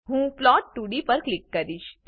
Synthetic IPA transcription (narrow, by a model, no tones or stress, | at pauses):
ɦũplɔʈːuɽipəɾklɪkːəɾiʃt̪